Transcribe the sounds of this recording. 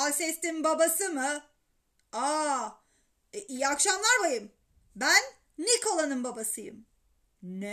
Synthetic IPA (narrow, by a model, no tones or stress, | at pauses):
asɛst̪imbabasɯmɯ | a | ʔijakʃamlˠaɾbajɯm | bænː | ikʰolˠanɯmbabasɯjɯ̰m | nɛ